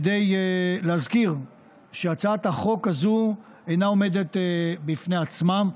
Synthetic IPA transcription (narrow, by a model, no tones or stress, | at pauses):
d̪ejleazkiʁ | ʃeat͡saat̪haχo̞kazu | ejnaome̞d̪e̞tbifneat͡smam